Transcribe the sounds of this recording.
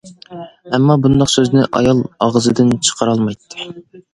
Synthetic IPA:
ɛmːɑbund̪ɑqsøznɪʔɑ̰jɑlˠɑʁzɨd̪ɪnt͡ʃʰə̥qʰəɾɑlˠmɑjt̪ːɨ̥

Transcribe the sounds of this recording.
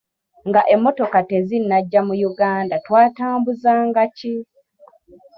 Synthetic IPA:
ŋɡaʔe̞mːo̞to̞kate̞zinːaɟːamujuɡaːndatwaːtaːmbuzaːŋɡaci

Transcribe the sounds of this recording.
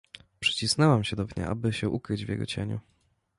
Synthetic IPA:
pʂɘ̥t͡ɕisnɛwamɕɛd̪ɔbɲa̰ʔa̰bɘɕɛʔukɾɘd͡ʑvjɛ̰ɡɔ̰t͡ɕḛɲṵ

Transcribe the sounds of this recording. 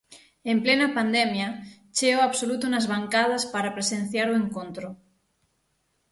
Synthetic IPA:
emplenapand̪ɛmja | t͡ʃeoaβsolut̪unazβ̞aŋkað̞aspaɾapɾesen̟θjaɾueŋkont̪ɾo

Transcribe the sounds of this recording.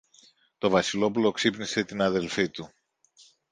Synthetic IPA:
t̪o̞vɐsilo̞pulo̞ksipnise̞t̪inɐðe̞lfit̪u

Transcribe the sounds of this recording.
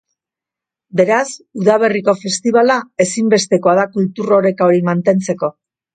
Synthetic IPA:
be̞ɾasuðaβ̞e̞riko̞fe̞st̪iβ̞alae̞simbe̞st̪e̞ko̞aðakult̪uro̞ɾe̞kaoɾimant̪e̞nt͡se̞ko̞

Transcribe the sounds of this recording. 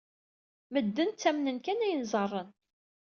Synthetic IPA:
məd̪ːənt̪t͡sːæmnənkænæjənzˤərˤːən

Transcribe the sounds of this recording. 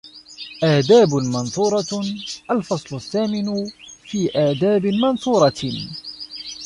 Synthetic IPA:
ʔaːd̪aːbmɑnsˤuːɾˤɑʔalfɑsˤlʊθːaːmɪnfiːʔaːd̪aːbɪmɑnsˤuːɾˤɑ

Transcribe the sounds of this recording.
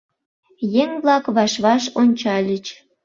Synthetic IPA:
jeŋβlɑkβɑʃβɑʃonʲt͡ɕɑlʲət͡ɕ

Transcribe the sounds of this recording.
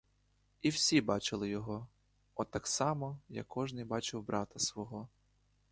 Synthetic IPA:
iwsʲibɑt͡ʃɪlˠɪjɔɦɔ | ɔt̪ɑksɑmɔja̰kʰːɔʒnɪjbɑt͡ʃɪwbɾɑt̪ɐsʋɔɦɔ

